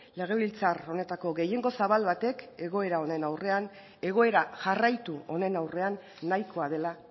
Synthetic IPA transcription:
le̞ɣ̞e̞βilt͡saro̞ne̞t̪ako̞ɣe̞je̞ŋɡo̞saβalβat̪e̞ke̞ɣ̞o̞e̞ɾao̞ne̞nawre̞an | e̞ɣ̞o̞e̞ɾaʝarajt̪uo̞ne̞nawre̞anː | ajko̞að̞e̞la

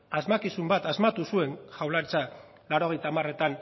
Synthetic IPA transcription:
azmakisumbat̪azmat̪usue̞nʝawlaɾt͡sa | laɾo̞ɣ̞e̞jt̪aːmare̞t̪an

